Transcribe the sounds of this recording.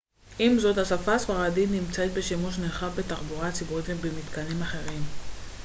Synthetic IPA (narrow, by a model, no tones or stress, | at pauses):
ʔimzo̞t̪hasafasfaʁadit̪nimt͡saet̪̚be̞ʃimuʃ̬nelχavbet̪aʁbuʁat͡sibuʁit̪bemit̪kanimaχe̞ʁim